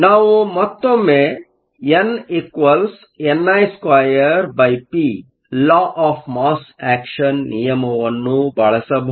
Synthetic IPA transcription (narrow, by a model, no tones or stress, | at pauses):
naːʋumɐt̪ːomːe | enikʋɐls | enːɐjskʋaːjɐɾbɐjpi | laːʔaːpʰmaːsæːkʃɐnːijɐmɐʋɐnːubɐɭɐsɐbʱ